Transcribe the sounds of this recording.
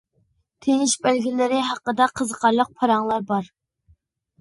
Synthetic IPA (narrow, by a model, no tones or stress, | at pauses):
t̪ʰenɪʃbælɡʲilɪɾɪɦɑqːəd̪ɑqʰəzəqʰɑɾlˠəq̚pʰɑɾɑŋlˠɑɾbɑɾ